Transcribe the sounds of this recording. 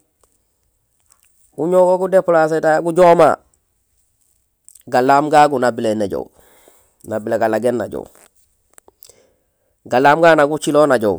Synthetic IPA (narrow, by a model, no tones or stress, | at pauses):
uɲoɡoɡudeplas̬edaɡuɟoːma̰ | ɡalaːmɡaɡunabileneɟo̰w | nabileɡalaɡenːaɟo̰w | ɡalaːmɡaːnaɡut͡ʃilonaɟow